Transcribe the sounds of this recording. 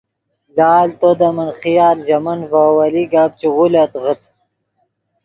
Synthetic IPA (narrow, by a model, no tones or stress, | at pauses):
laːlt̪od̪amɐnχijaːlʑɐmɐnvawɐliɡaːb̚t͡ɕiʁulat̪ʁət̪